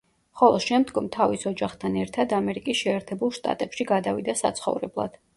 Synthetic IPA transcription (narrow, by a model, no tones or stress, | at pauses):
χɔlˠɔʃɛmd̪ɡɔmt̪ʰavisɔd͡ʒaχt̪ʰanɛɾt̪ʰad̪amɛɾikʼisʃɛːɾt̪ʰɛbulˠʃt̪ʼa̰t̪ʼɛpʃiɡad̪avid̪asa̰t̪sʰχɔ̰vɾɛblˠa̰d̪̥